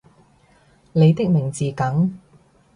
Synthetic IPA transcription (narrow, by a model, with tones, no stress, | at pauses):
le˨˧jt̪ɪ˥k̚mɪ˨˩ŋt͡siː˨kɐ˨˥ŋ